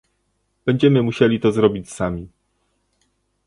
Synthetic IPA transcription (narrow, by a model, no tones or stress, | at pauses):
b̥ɛɲd͡ʑɛmɘmuɕelʲit̪ɔzɾɔbʲit͡ɕsamʲi